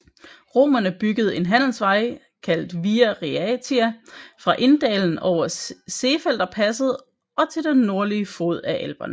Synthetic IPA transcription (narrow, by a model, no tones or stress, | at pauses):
ʁo̝ːmɐnəb̥yɡ̥əð̞̩ˠe̝nɦæn̰l̩sʋɑ̈ɪ | kʰæl̰d̥ʋiːæʁiæt͡sʰiæfʁɑ̈ʔe̝nd̥ɛːln̩ɒ̰ʊ̰ɐse̝ːfel̰d̥ɐpʰæsəð̞̩ˠ | ɒ̽t͡sʰe̝ld̥enːo̝ɐliəfoð̞̰ˠæʔelb̥ɐnə